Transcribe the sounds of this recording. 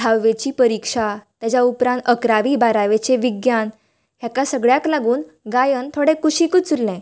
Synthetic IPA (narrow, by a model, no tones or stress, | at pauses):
dʰʱaʋːet͡ɕiːpəɾikʂat̪jat͡ɕaupɾãnt̪əkɾaʋiːbaɾaʋet͡ɕeʋiɡjan | ɦjakasəɡɭjaklaɡuːn | ɡajənt̪ʰoɽẽkuɕikut͡sullɛ̃